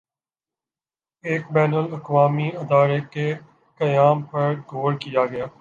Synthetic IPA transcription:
eːkbɛːnəlɐkʋaːmiɪd̪aːɾeke | kɐjaːmpɐɾɡʱoːɾkijaːɡɐjaː

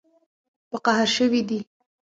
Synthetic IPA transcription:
pəqaɦaɾʃəwid̪i

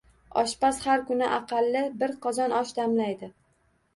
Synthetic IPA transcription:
ɒʃpashaɾkʊnɪʔɑqʰɑlːɪbɪɾqʰɒzɒnɒʃd̪amlajd̪ɪ

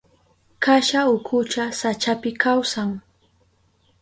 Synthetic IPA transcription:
kaʃaʊkʰʊt͡ʃasat͡ʃapɪkawsaŋ

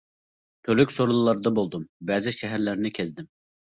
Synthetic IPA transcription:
t̪ʰølykʲsoɾulˠɨlˠɑɾd̪ɑbolˠd̪umbɛzɪʃɛɦæɾlæɾnɪkʲʰɛzd̪ɪm

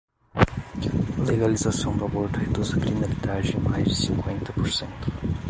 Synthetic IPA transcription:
ɐleɣɐlizɐsɐ̃w̃d̪ɐβɔɾt̪ɛd̪ozɐklinɐlid̪aʒẽmajʒd̪ɨsĩŋkwẽnt̪ɐpuɾsẽnt̪u̥

